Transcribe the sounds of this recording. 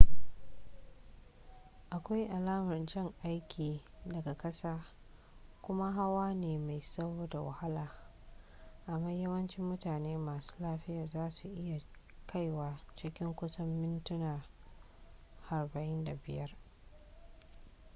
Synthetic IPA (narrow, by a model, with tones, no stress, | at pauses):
ʔa˨kʷa˦jʔa˨laː˦mɐ˨rd͡ʒɪ˦˨ŋʔa˦jkʲʰiː˨dɐ˨ɡa˨kɐ˦saː˦ | kʷʊ˦ma˦ɦa˦waː˦neː˨ma˨jsɐ˦boː˦da˨wa̰˨ha˦laː˨ | ʔa˨mːaː˦jɐ˦wɐ˦nt͡ʃɪ˦mːʊ˦taː˨neː˦maː˨su̥ː˦laː˦ɸɪ˦jaː˨zaː˦su˨ʔɪ˦ja˨ | kʰa˦˨jwaː˨t͡ʃɪ˦kʲɪ˦ŋkʷʊ˦sɐ˦mːɪ˦ntʊ˦nɐ˨r | ha˨rbɐ˨ʔɪ˦nda˨bɪ˨jɐ˦r